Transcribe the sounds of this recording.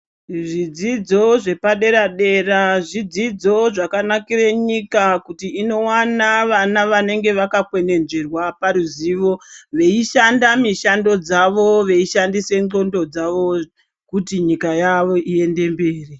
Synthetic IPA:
ʐid͡zid͡zo̞ʐe̞paɗe̞ɾaɗe̞raʐid͡zid͡zo̞ʐakanakireɲikakutiːno̞wanaʋanaʋane̞ŋɡe̞ʋakakwe̞ne̞nd͡ʒe̞rwapaɾuziːʋo̞ʋe̞iʃandamiʃando̞d͡zaʋo̞ʋe̞iʃandise̞nŋ͡ǃo̞ndo̞d͡zaʋo̞ | kutiɲikajaʋoʔie̞nde̞mbe̞ːri

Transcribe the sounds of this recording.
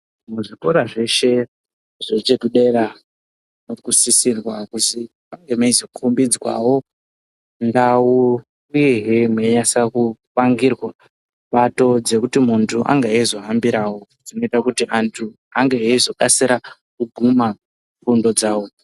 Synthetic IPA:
muʐiko̞ɾaʐe̞ʃe̞ | ʐet͡ʃekuɗe̞ɾa | nokusisirwakusi | paŋɡemaizokʰumbid͡zwa̰wo̞ | ndau | ueɦemweɲasakupaŋɡirwa | ɓato̞d͡ze̞kutimuntʰuʔa̰ŋɡaezo̞ɦambiɾaːwo̞d͡zino̞itakutiʔantʰu | aŋɡeeizo̞kasiɾa | kubʱuma | fundo̞d͡zaːwo̞

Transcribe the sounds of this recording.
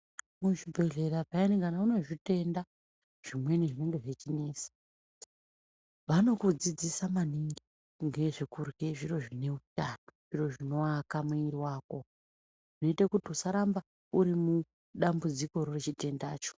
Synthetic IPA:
muʐibʱe̞ɮe̞ɾaʐainikanauno̞ʐite̞nda | ʐ̥imwe̞niʐine̞ŋɡe̞ʐe̞t͡ʃineːsḁ | ʋano̞kud͡zid͡zisamaniŋɡi | ŋɡe̞ʐikurɡe̞ʐiɾo̞ʐine̞ut͡ʃanu̥ʐ̥iro̞ʐino̞akamuiriwaːko̞ | uno̞itakutiusaɾamba | uɾimu | ɗambud͡ziko̞ɾoret͡ʃite̞ndaːt͡ʃo̥

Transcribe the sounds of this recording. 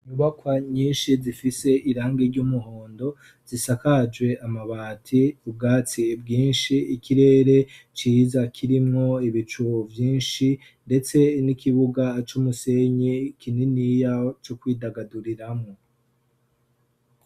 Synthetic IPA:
iɲuβakwaɲiːnʃizifise̞ʔiɾaːŋɡeɾɟuːmuɦoːndo̞ | zisakad͡ʒɡwe̞ʔamaβaːtʰiub̚ɡaːt͡sib̚ɡiːnʃiikiɾe̞ːɾe̞t͡ʃiːzakʰiɾimŋo̞iβit͡ʃuvjiːnʃi | nde̞t͡se̞nikʰiβuɡat͡ʃumuse̞ɲekʰininijat͡ʃokwiːdaɡaduɾiɾamŋo

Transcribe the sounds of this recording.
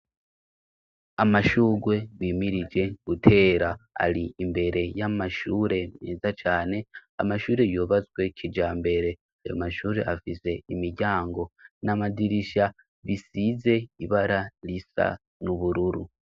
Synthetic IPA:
amaʃuːɡwe̞βiːmiɾid͡ʒe̞ɡutʰe̞ːɾaa̰liːmbe̞ɾe̞jamaʃuːɾe̞nneːzat͡ʃaːne̞a̰maʃuːɾe̞joːβazɡwe̞cʰid͡ʒaːmbe̞ɾe̞ | ajo̰maʃuːɾe̞̰ʔafize̞imiɟaːŋɡo̞namadiɾiʃa | βisize̞iβaɾalisa̰ | nuβuɾuɾu

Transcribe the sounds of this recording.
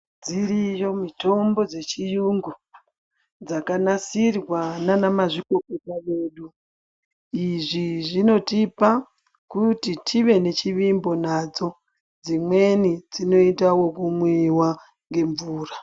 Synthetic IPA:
d͡zirijo̞mito̞mbo̞d͡ze̞t͡ʃijuŋɡu | d͡zakanasirwananamaʐiko̞kotaʋe̞ːɗu | iʐiʐino̞tipa | kutitʰiʋe̞ne̞t͡ʃiʋimbo̞nad͡zo̞ | d͡zimwe̞nid͡zino̞itawo̞kumwiwa | ŋɡe̞ɱvuːra

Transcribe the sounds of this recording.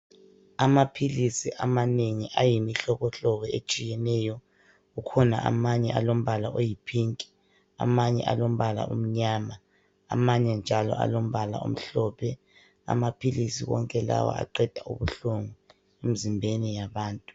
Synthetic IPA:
amapʰilisiʔamaneŋiʔajimiɬɔɣɔɬɔɣɔet͡ʃʼijɛnɛjɔ | ɣukʰɔna̰ʔa̰maɲɛʔalom̩βalaʔojipʰiŋkʼi̥ | a̰maɲɛ̰ʔalom̩βala̰ʔṵm̩ɲaːma̰ː | maɲɛnd͡ʒʱalɔ̰ʔa̰lom̩βala̰ṵm̩ɬɔːpʰɛ | a̰mapʰilisiwɔ̰ŋkʼɛla̰wa̰a̰ǃɛd̥ʱaṵβuɬuŋu | em̩zimbʱenijaβaːntʼu̥

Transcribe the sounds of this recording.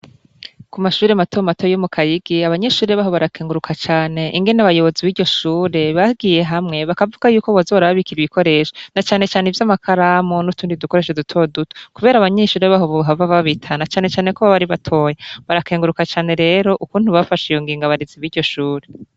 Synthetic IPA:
kumaʃuːɾe̞matʰo̞matojomukʰajiɡ̥iaβaɲe̞ʃuːɾeβaɦo̞βaɾakʰeːŋɡuɾukʰat͡ʃaːne̞ʔiŋɡe̞naβajo̞βo̞ziβiːɾɟo̞ʃuːɾe̞βaɡiːje̞ɦamŋe̞βakavuɡ̥ajuːko̞βozoβaɾaβaβikiɾiβiko̞ɾe̞ːʃo̥nat͡ʃaːne̞t͡ʃaːnevjamakʰaɾamonutuːndiduko̞ɾe̞ʃedutʰo̞duto̥kuβe̞ːɾaːβaɲeʃuːɾe̞βaɦo̞βoɦavaβaβitʰanat͡ʃaːne̞t͡ʃaːne̞koβaβaɾiβatʰo̞ːjeβaɾakeːŋɡuɾukat͡ʃaːne̞ɾe̞ːɾo̞ʔukuːnhuβafaʃijoŋɡiːŋɡaβaɾiziβiːɾɟo̞ʃuːɾe̞

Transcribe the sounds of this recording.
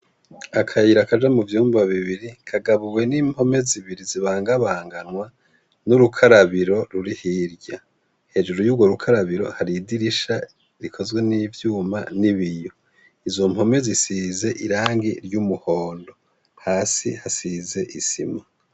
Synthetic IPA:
akʰajiɾakad͡ʒamuvjuːmbaβiβiɾikʰaɡaβuwe̞niːmho̞me̞ziβiɾiziβaːŋɡaβaːŋɡanwa | nuɾukʰaɾaβiɾo̞ɾuɾihiːɾɟa | he̞ːd͡ʒuɾujuːbɡwo̞ɾukʰaɾaβiɾo̞̰haɾidiɾiʃa | ɾikʰo̞zɡwe̞nivjuːma̰niβijo | izo̞m̥ho̞me̞zisize̞ʔiɾaːŋɡiɾjumuho̞ːndo̞ | haːsḭhasize̞ʔisḭma

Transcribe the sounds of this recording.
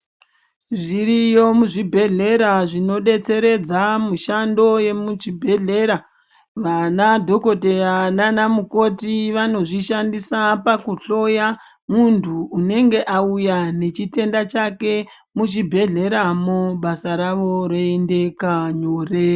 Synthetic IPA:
ʐiɾijomuʐibʱe̞ɮe̞ɾaʐino̞ɗe̞t͡se̞ɾe̞d͡zamuʃando̞je̞mut͡ʃibʱe̞ɮe̞ɾa | ʋanadʱo̞ko̞te̞ananamuko̞tiʋano̞ʐiʃandisapakuɬo̞ja | muntʰuːne̞ŋɡe̞ʔaujane̞t͡ʃite̞ndat͡ʃake̞ | mut͡ʃibʱe̞ɮe̞ɾamoɓasaɾaʋo̞ɾeende̞kaɲoːre

